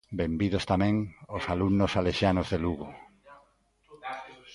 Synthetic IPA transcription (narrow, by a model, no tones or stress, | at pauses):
bembið̞ost̪amɛ̃ŋosalunosaleʃjanozðeluɣo